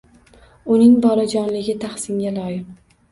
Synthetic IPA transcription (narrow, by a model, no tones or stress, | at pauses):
ʊnɪŋbɒlad͡ʒɒnlɪɡʲɪt̪ʰaχsɪŋɡʲalɒjɪm